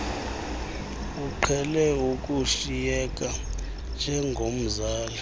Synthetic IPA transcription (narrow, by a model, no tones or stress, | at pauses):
uǃʰɛlɛukʼuʃijɛk̬ʼa | nd͡ʒʱɛŋɡʱom̩zaːla